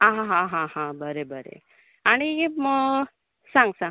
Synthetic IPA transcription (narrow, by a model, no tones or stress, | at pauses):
aɦaɦãɦãɦãbəɾebəɾḛ | añim | sãŋɡsã